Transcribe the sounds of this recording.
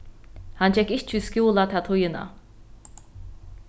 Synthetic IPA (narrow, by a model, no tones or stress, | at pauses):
hant͡ʃɛkiʃt͡ʃʰyskʲiulˠat̪ʰat̪ʰujɯna̰